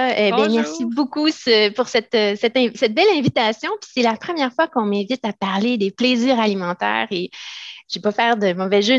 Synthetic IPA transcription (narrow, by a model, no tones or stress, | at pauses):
bɛ̃mɛʁsibokusəpuʁsɛt̪øsɛt̪ɛ̃sɛt̪̚bɛlɛ̃vit̪asjɔ̃pi̥sɛlapχəmjɛʁfwakɔ̃mɛ̃vɪt̪apaʁled̪epleziːʁalimɑ̃t̪ɛ̰ːʁeʒ̥epɔfɛːʁd̪əmɔvɛʒø